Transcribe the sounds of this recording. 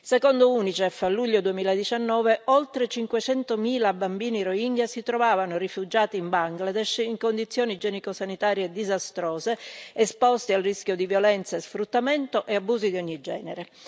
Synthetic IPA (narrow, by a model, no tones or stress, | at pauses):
sekɔnd̪ouːnit͡ʃɛfːalːuʎːod̪uemiːlad̪it͡ʃanːɔːveʔɔlt̪ɾet͡ʃiŋkwet͡ʃɛnt̪omiːlabambiːniɾoiŋɡasit̪ɾovaːvanorifud͡ʒaːt̪iːmbaŋɡlad̪ɛʃiŋkond̪it̪sːjɔːnid͡ʒɛnikosanit̪aːɾjed̪izast̪ɾɔːzeespɔst̪ialriskjod̪ivjɔlɛnt̪saesfɾut̪ːament̪oʔeabːuːzid̪iɔɲːid͡ʒɛːneɾe